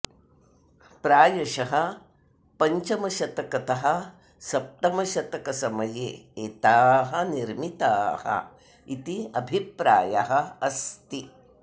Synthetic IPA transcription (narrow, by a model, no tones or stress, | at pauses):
pɾaːjɐʃɐɦɐ | pɐɲt͡ʃɐmɐʃɐt̪ɐkɐt̪ɐɦɐ | sɐp̚ʈ̪ɐmɐʃɐt̪ɐkɐsɐmɐjḛːeːt̪aːɦɐniɾmit̪aːhɐ̰ | it̪iɐbʱipɾa̰ːjɐɦɐɐst̪i